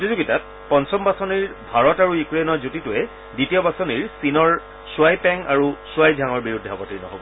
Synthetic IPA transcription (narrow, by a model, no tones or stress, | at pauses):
otizuɡitat̚ | pɔnsɔmbasɔniɹbʱaɹɔtaɹujukɹenɔɹzutitʊɛ | ditijɔbasɔniɹsinɔɹ | suajpɛŋaɹusuajdʱjaŋɔɹbiɹudʱːɛɔpɔtiɹnɔɦɔ̰bɔ